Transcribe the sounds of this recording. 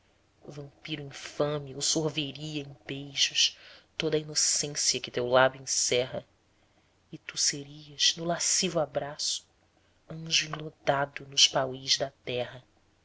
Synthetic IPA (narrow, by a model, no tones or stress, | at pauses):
vɐ̃mpiɾʊĩfɐ̃miowsohveɾiɐẽbejʒʊʃt̪od̪ɐinosẽsjɐkɪt̪ewlad̪ʊẽsɛɦɐ | ɪt̪useɾiɐʃnʊlasivʊabɾasʊ̥ | ɐ̃ʒuĩlod̪ad̪ʊnʊʃpawiʒd̪ɐt̪ɛɦɐ